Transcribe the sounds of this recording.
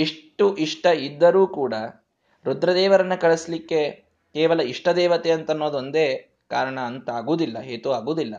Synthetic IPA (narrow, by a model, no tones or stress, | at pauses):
iʂʈuʔiʂʈɐid̪ːɐɾuːkuːɽɐ | ɾud̪ɾɐd̪ɛːʋɐɾɐnːɐkɐɭeslikːe̞ | keːʋɐlɐiʂʈɐd̪ɛːʋɐt̪eɐnt̪ɐnːoːd̪o̞nd̪eː | kaːɾɐɳɐːnt̪ɐaːɡuːd̪ilːɐɦeːt̪uaːɡuːd̪ilːɐ